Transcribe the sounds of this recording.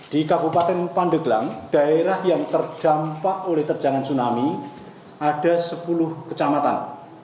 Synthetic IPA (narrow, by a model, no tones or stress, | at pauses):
d̥ikabupat̪ɛnpaɳɖəɡlaŋɖ̥a̤eɾahjaŋt̪ərɖ̥a̤mpaʔolɛht̪ər̥d͡ʒ̥aŋansunami | aɖ̥a̤səpulʊhkət͡ʃamat̪a̰n